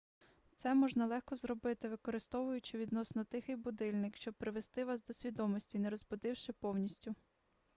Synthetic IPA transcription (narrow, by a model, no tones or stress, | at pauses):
t̪sɛmɔʒnɐlˠɛxkɔzɾɔbɪt̪ɪʋɪkɔɾɪst̪ɔʋʊjʊt͡ʃɪʋʲid̪nɔsnɔt̪ɪxɪjbʊd̪ɪlʲnɪkʃt͡ʃɔb̚pɾɪʋest̪ɪʋɑsd̪ɔsʲʋʲid̪ɔmɔsʲtʲineɾɔzbʊd̪ɪwʃɪpɔwnʲisʲtʲʊ